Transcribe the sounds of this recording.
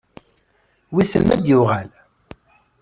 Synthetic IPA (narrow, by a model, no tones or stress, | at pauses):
wiθə̰mːæd̪jʊʁæl